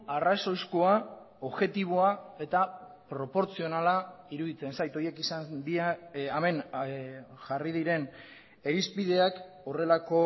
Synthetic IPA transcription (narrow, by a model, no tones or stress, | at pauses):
araso̞jskoa | oβʝe̞t̪iβ̞o̞ae̞t̪a | pɾo̞po̞ɾt͡sio̞nalaiɾuð̞it͡se̞nsajt̪o̞je̞kisand̪iaame̞n | ʝariðiɾe̞n | e̞ɾizpiðe̞ak | o̞re̞lako̞